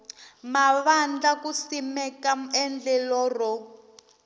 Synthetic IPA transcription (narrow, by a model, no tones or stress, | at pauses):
maβand͡ɮakusimɛkaɛnd͡ɮɛlɔrɔ